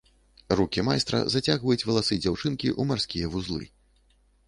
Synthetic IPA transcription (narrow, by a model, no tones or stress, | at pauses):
rukʲimajst̪ɾɐ̰zat͡sʲaɣvɐjut͡sʲvɐlˠasɨd͡zʲawt͡ʂɨnkʲiʔumarsʲkʲijɐvuzlˠɨ̰